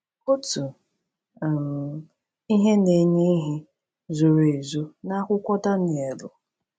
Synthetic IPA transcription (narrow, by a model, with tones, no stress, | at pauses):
kʊ˦tu˨ | m̩˨ | i˦ɦe˦ne˨ɲe˦ɦɪ˦ | zʊ˨ɾe˨zu˦na˦kʷʊ˦kʷɔ˦ta˦n˨e˨lʊ̰˨